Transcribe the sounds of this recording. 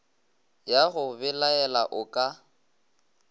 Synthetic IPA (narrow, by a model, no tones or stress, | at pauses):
jaɣʊbɪlaɛlaʔʊkʼa